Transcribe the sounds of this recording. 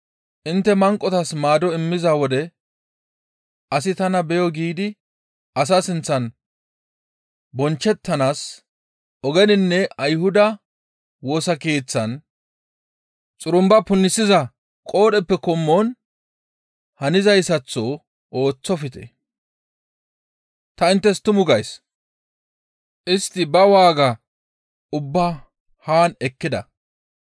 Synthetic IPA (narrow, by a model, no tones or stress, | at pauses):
ʔɪnt̪ːɛmɐŋkʼːɔt̪ɐsmaːd̪ɔɪmːɪzawɔd̪ɛ | ʔɐsɪt̪ɐnɐbɛjɔɡiːd̪ɪ | ɐs̬asɪnt͡sːɐn | bɔnt͡ʃːɛt̪ːɐnaːs | ʔɔɡɛnɪnːɛɐjhʊd̪ɐ | wo̞ːsɐke̞ːt͡sːɐn | t͡sʼʊɾʊmbɐpʊnːɪsɪzɐ | kʼo̞ːɗɛpːɛkɔmːɔn | hɐnɪzɐjsɐt͡sːɔ | ʔo̞ːt͡sːɔfɪt̪ɛ̰ | t̪ɐɪnt̪ːɛst̪ʊmʊɡɐjs | ʔɪst̪ːɪbɐwaːɡɐ | ʊbːa | haːnɛkːɪd̪ɐ̰